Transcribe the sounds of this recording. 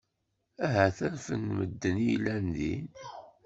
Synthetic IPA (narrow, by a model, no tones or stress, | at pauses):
æɦæθæɾfənməd̪ːənilænðḭn